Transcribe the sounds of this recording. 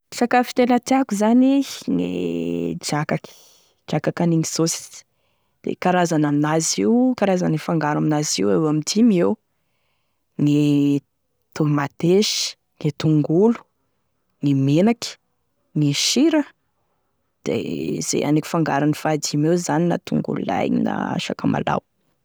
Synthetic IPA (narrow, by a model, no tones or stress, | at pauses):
sakafi̥t̪enət̪iakuzaniŋḛd͡ʒakaki̥ | d͡ʒ̥akakaniŋizosi̥z̥ | d̪̥ḛkaɾazanaminaziwkaɾazanifaŋɡaɾaminaziwewamid̪imew | ni | t̪umat̪eʃi̥ | nit̪uŋɡulu̥ | nimenaki̥ | niʃiɾə | d̪̥ḛz̥ḛʔa̰neki̥faŋɡaɾanifad̪imewzanina̰t̪ṵŋɡṵlṵla̰jnḭna̰a̰ʃakama̰la̰w